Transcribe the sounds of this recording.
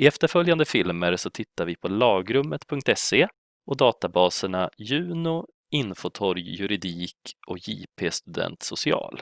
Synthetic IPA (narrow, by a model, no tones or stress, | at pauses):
ɪɛft̪əɾfœljand̪əfɪlməɾsɔt̪ʰɪt̪ːaɾvɪpʰɔlɑːɡɾɵmːət̪pʰɵŋkt̪ɛseː | ɔd̪ɑːt̪abɑːsəɳajʉ̟ːnʊ | ɪnfɔt̪ʰɔɾjjɵɾɪd̪iːkʔɔkjḭːpʰeːst̪ɵd̪ɛ̰nt̪sʊsɪɑ̰ːl